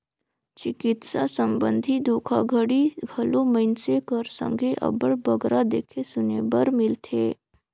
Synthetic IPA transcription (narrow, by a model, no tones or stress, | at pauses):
t͡ʃɪkɪt̪sasə̃mbə̃nd̪ʱid̪oːkʰa̰ɡʱəɽiɡʱɐlõməɪnsekəɾsə̰̃ŋɡʱeʔɐ̰bəɽbəɡɾad̪eːkʰesʊneːbəɾmɪlt̪ʰeː